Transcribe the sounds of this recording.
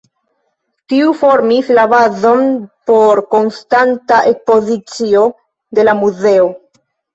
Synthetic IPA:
tiufo̞ɾmislabazo̞npo̞ɾko̞nstantaʔe̞kspo̞zit͡sio̞ | de̞lamuze̞o̞

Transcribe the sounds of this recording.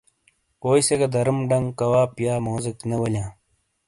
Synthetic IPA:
oːjseɡɐd̪ɐɾəmɖɐŋɡkɐwaːpjaːmoːziknɐwɐlʲjãː

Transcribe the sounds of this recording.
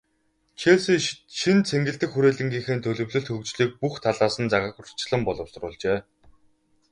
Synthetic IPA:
t͡ɕʰesiʃint͡sʰeŋɡɘ̆ɮt̪ɘ̆xxuɾeːɮɘ̆ŋɡʲiːŋxeːnt̪ʰɵɮɵ̆wɮɵ̆ɬt̪xɵkt͡ɕɮiːk̚puxt̪ʰaɮaːsə̆nt͡saʁə̆kʊr̥t͡ɕɪ̆ɮə̆mpɔɮɞ̆wsrʊːɮt͡ɕeː

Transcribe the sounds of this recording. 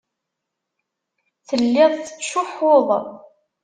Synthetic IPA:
θəlːɪðˤθə̥t͡sːʃʊfoðˤ

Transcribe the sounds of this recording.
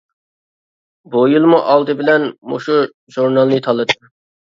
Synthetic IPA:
bujilˠmuʔɑlˠd̪ɨbɪlɛnmo̰ʃu | ʒuɾnɑlˠnɨt̪ʰɑlˠɨt̪ʰːɨ

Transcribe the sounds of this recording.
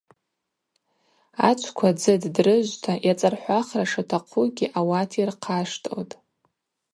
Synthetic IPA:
a̰t͡ʃʷʰkʷʰad͡zɨddrɨʒʷtʰaʔjat͡sʼarħʷaχraʂatʰaqʷʰuɡʲiʔawatʰirqʰaʂtʼo̰tʼ

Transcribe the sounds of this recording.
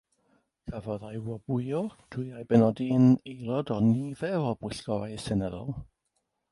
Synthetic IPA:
kʰavɔðajwɔbʊjɔd̥ʊjajbɛnɔdiənejlɔdɔniðɛvɔbwɪɬɡ̥ɔvajsɛnɛðɔ̰lˠ

